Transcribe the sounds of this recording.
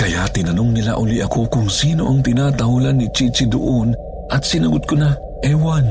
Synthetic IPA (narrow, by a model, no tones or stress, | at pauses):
kɐjat̪ɪnɐnoŋnila̰ʔʊliʔɐko̞kʊŋsiːno̞̰ʔɐŋt̪ɪnaːt̪ɐhulanːit͡ʃit͡ʃid̪ʊ̰ʔon | ʔɐt̪̚sɪnɐɡʊt̪̚kona | ʔɛwan